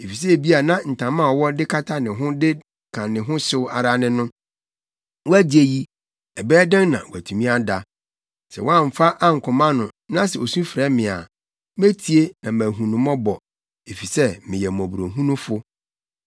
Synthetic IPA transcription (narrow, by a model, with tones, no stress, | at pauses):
e˨fi˨s̬ɛ˦˨bi˦a˨nã˦n̩˨tʰã˨mã˦ɔ˨wɔ˦dɪ˦kʰa˦tʰa˦nɪ̃˨ɦʊ̃˦dɪ˦˨ | kʰã˨nɪ̃˨ɦʊ̃˦sʊ˦a̰˨ɾa˦nɪ̃˦nʊ̃˦ | wɔ˦æ˦d͡ʑɪ˨e˦ji˦ | ɛ˨bɛː˦dã˦ŋnã̰˨wæ˨tʰũ˨mĩ˦a˦da˨ | sɛ̰˨wɔ˦ã˦˨m̩˨fa˦ʔa˦ŋ̩˨kʰʊ̃˨mã˦nʊ̃˨nã˦sɛ˨o˨sũ˦fɾɛ˦mɪ̃˨a̰˨ | mæ˦tʰi˨e˦nã˨mæ˨ɦũ˨nʊ̃˨mɔ̃˦bɔ˨ | e˨fi˨sɛ˦mɪ̃˨jɛ˨mɔ̃˨bu˨ɾo˨ɦũ˦nʊ̃˦fʊ˦